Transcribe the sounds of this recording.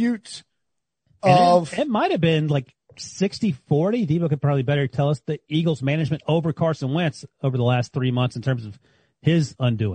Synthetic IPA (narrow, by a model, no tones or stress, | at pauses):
ʉts | ɨ̃ʌnv̥ɪt̚maɪt̚hɨvbɪ̃nlaɪk | sɪkstifɔɹɾidibkɨəd̚pʰɹ̥ɑbəblibɛɾə˞tʰɛlˠʌsðiiɡl̩ˠzmænɨd͡ʒmɨ̃ntoʊvə˞kʰɑɹsɨ̃nwɛ̃nsoʊvə˞ðəlæst̪̚θɹimʌ̃nθsn̩tʰɜ̃˞mzʌv̥ | ɪzʌ̃ndʉɪ̰̃